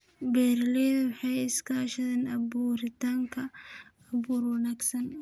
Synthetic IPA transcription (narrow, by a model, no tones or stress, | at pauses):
bɛːɾlɛðwħɑjɪskʰɐʃɐðɛːnɐbuːɾɪt̪ʰaːŋkʰɐː | βuːrwɐnaːɡsɐn